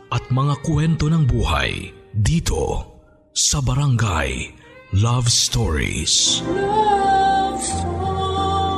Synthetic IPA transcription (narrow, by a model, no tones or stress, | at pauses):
ʔɐt̪̚mɐŋakwɛnt̪o̞nɐŋbuːha̰jd̪iːt̪ʰo̞̰ | sɐbɐɾɐŋɡa̰j | lavst̪oɹḭs